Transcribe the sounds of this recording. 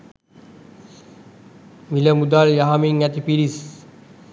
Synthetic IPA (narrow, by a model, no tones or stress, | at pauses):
miləmud̪aɾjaɦamiŋɛt̪ipiɾis